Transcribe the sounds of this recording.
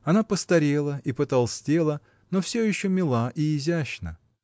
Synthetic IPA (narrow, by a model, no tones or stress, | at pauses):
ɐnapəst̪ɐɾʲelˠəʔipət̪alˠsʲtʲe̞lˠə | nofsʲojɪɕːomʲɪlˠaʔɪɪzʲæɕnə